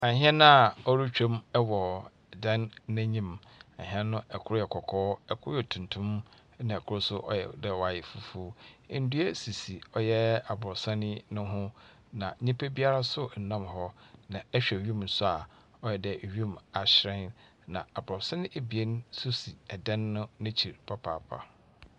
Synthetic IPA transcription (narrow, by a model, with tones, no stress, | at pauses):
a˨ɦɛ̃˦nã˦a˨ɔ˦ɾu˦t͡ɕᶣo˦mɛ˦wɔ˨ | dã˦nːæ̃˦ɲĩ˦m | ã̰˨ɦĩ˦ɛ̃˦nʊ̃˦ɛ˨kʰʊ˦ɾʊ˦ɛ˨kʰɔ˨kʰɔː˦ɛ˨kʰʊ˦ɾʊ˦ɛ˨tʰũ˨ntʰʊ̃˦m˦ | nã˨kʰʊ˦ɾʊ˦sʊ˦ʔɔ̰˦jɛ̰˨dɛ˦˨wa˨jɛ˨fu˨fu˦n̩˦du˦e˦si˨si˨ɔ˨jɛ˦a˨bʊ˨ɾɔ˨sã˦nɪ̃˦nʊ̃˦ɦʊ̃˦ | nã˨ɲĩ˦pʰe˦bi˦a˦ɾa˦sʊ˦˨n̩˨nã˦mhɔ˦nã˨ɛ˦ɕᶣɛ˨ɥi˦˨m˨n̩˨sʊ˦a˨ | ɔ˦jɛ˨dɛ˨ʔɥũ˦˨ma˨ɕɾɛ̃˦n | nã˨a˨bʊ˨ɾɔ˨sã˦nɪ̃˦ʔe˨bi˨e˦nsʊ˦si˨ɛ˨dɛ̃˦nːʊ̃˦nɪ̃˦t͡ɕʰi˨ɾpʰa˦pʰa̰˨pʰa̰˨